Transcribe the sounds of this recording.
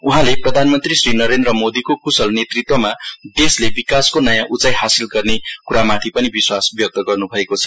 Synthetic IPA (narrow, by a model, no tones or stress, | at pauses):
uɦãleprʌd̪ʱanmʌnt̪risrinʌɾend̪rʌmod̪ikokusʌlnet̪rit̪wʌmad̪eslebikaskonʌjãʔut͡sajɦasilɡʌrnekuɾamat̪ʰipʌnibiswasbjʌk̚t̪ʌɡʌrnubʱʌekot͡sʰʌ